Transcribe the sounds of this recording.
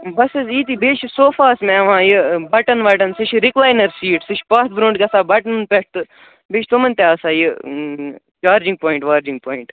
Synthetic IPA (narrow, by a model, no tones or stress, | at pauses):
bɐsiziːt̪iːbeːt͡ʃʰsoːfaːsmẽɐʋãːjibɐʈənʋɐʈɐnsit͡ʃʰɾɪklaːjnɐɾsiːʈsiʃʰpaːt̪̚ʰbɾõːɳɖkɐsaːbɐʈənpeʈ̚ʰt̪ɨ | beːt͡ʃʰt̪omɐnʲt̪aːsaːji | t͡ʃaːɾd͡ʒɪ̃ŋɡ̚poːiɳʈʋaːɾd͡ʒɪ̃ŋɡ̚poːiɳʈ